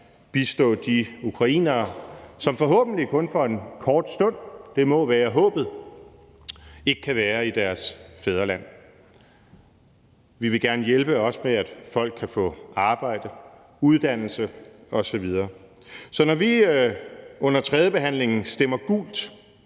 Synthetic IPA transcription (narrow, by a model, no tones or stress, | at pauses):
b̥isd̥ɔ̰̽ːd̥iukʰʁɑ̈ḭːnɐːsɒ̽mfɒ̽ɦɔ̰̽ːb̥̚n̩likʰɔ̽nfɒ̽e̝nkʰɒːd̥sd̥ɔ̽n̰d̥e̝mɒ̽ʋæːɐɦɔ̰̽ːb̥ð̞̩ˠ | e̝ɡ̥əkʰæʋæːɐid̥æɐsfeð̞ˠɐlæn̰ | ʋiʋe̝ɡ̥æɐnəjelb̥əɒ̽smeæd̥fɒ̽l̰ɡ̥̚kʰːæfɔ̰̽ːɑ̈ːb̥ɑ̈ɪ̰d̥ə | uð̞ˠd̥æn̰l̩səɒ̽sɒ̽ʋið̞ˠɐː | sɒ̽nɒʋi | ɔ̽n̰ɐt͡sʰʁɛðˠəb̥e̝ɦæn̰le̝ŋn̩sd̥em̰ɐɡ̥ṵːld̥